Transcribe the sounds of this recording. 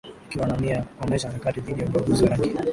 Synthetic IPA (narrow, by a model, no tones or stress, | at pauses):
akiwanamiaɔmɛʃ̬aɾakatiðiɗijauɓaɡuziwaɾaŋɡi